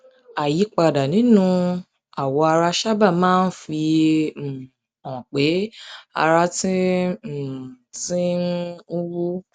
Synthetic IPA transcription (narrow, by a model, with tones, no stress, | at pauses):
a˨ji˨˦k͡pa˧˨da˨nĩ˨˦nũ˧ | a˨wɔ˧a˧ɾa˧ʃa˦ba˦˨mãː˦n̩˦fi˧˨ | ɔ̃˨k͡pe˨˦a̰˧ɾa˧tĩ˦˨ | tĩ˦n˦u˦wu˦